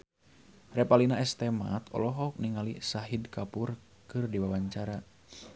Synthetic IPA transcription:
rɛpalinaɛst̪ɛma̰t̪ɔ̰lɔɦɔk̚niŋalisaɦidkapur | kɨrdiwawaɲt͡ʃaɾa

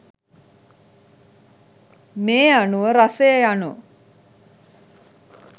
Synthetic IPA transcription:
meːanuʋəɾasejəjanu

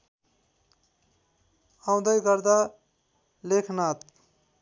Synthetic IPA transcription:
ãw̃d̪əjɡʌɾd̪a | lekʰnat̪

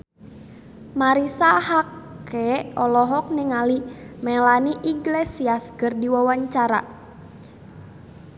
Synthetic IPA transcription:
maɾisahakɛɔlɔɦɔk̚niŋalimɛlaniʔiɡlesiasɡərdiwawaɲt͡ʃaɾa̰

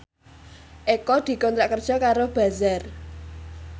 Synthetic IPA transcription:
ʔekɔd̪̥i̤kɔnt̪ɾaʔkərd̥ʒ̥ɔ̤kaɾob̥a̤zar

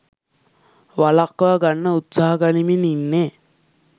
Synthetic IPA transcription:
ʋalakːʋaɡaɳːəut̪saːɦaɡanimininːe

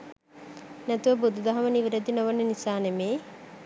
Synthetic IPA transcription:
nɛt̪uʋəbud̪ud̪ɐɦɐməniʋiɾɐd̪inoʋɐnːenisaːnemeː

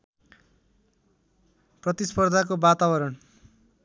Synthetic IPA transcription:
prʌt̪ispʌrd̪ʱakobat̪abʌɾʌn

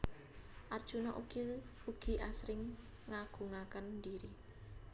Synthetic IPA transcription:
ʔard̥ʒ̥unɔʔukiuɡ̥i̤ʔasɾɪŋː | aɡ̥ṳŋakəndiɾi

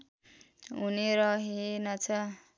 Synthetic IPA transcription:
ɦuneɾʌɦenʌt͡sʰʌ

